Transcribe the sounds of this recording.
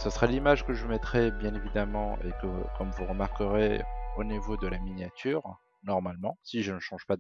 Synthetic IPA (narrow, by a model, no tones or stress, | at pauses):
səsəχalimaʒkəʒəvumɛt̪χɛbjɛ̃nevid̪amɑ̃ʔḛkəkɔmvuʁəmaʁkəʁeonivod̪əlaminjat̪ʰyːʁ | nɔʁmalmɑ̃siʒənəʃɑ̃ʒ̥pa